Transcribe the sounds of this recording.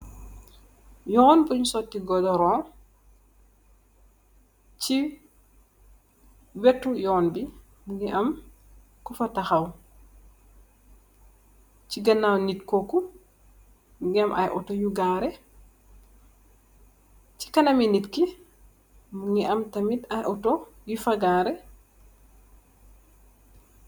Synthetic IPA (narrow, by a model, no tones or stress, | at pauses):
jɔnpuɲusɔtːiɡɔdɔɾɔŋ | ci | wɛtːujɔnbi | muɡiʔɐm | kufɐtɐxaw | ciɡɐnːawnitkɔku | ɡɛmʔa̰jʔɔtɔjuɡaːɾɛ | ci̥kanaminitki | muŋiʔɐmtamitajʔɔtɔjufaɡaːɾɛ